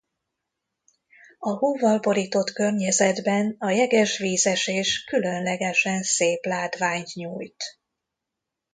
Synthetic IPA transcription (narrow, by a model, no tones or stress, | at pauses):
ɒhoːvɒlbo̞ɾiːt̪o̞t̪kørɲɛzɛd̪bɛnɒjɛɡɛʃʋiːzɛʃeːʃkylø̞nlɛɡɛʃɛnseːplaːt̪ʋaːɲt̪ɲuːjt̪